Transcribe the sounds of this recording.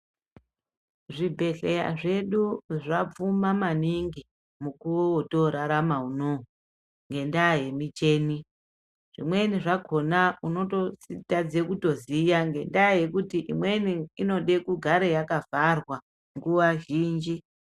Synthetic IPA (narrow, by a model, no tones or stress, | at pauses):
ʐibʱe̞ɬeja̰ʐe̞ɗuʐap͡fumamaniŋɡi | mukuwowoto̞ɾaɾamaunoɦu | ŋɡe̞ndaje̞mit͡ʃe̞ːni | ʐ̥ḭmwe̞niʐakʰo̞nauno̞tositad͡zekuto̞zijaŋɡe̞ndaje̞kutiʔimwe̞niino̞ɗe̞kuɡʱaɾejakavarwa | ŋɡuwaʒiːnd͡ʒi